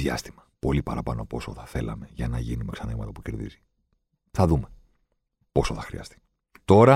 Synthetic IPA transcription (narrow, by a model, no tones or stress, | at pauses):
jɐ̰st̪imɐpo̞lipɐɾɐpɐno̞po̞so̞θɐθe̞lɐ̰me̞ʝɐnɐʝinume̞ksɐniɣmɐt̪ɐpuce̞ɾðḭzi | θɐðume̞ | po̞soθɐxɾiɐ̰st̪i̥ | t̪o̞ɾɐ